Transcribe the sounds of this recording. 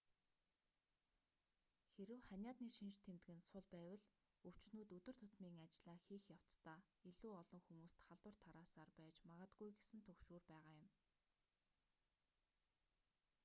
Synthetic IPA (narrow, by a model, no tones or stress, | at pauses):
xeɾɘ̆wχanʲjaːt̪niːʃint͡ɕt̪ʰemt̪ɘɡɘ̆nsʊɮpæːwə̆ɮ | ɵw̥t͡ɕnuːt̪ɵt̪ɵ̆r̥t̪ʰʊt̪miːŋat͡ɕɮaːxiːxjaw̥t͡st̪aː | iɮuːɔɮɞ̆ŋxumuːst̪χaɮwə̆r̥t̪ʰaɾaːsaːrpæːt͡ɕmaʁə̆t̪ɡujɡesɘ̆nt̪ʰɵkʃuːrpæːʁaːjʊ̆m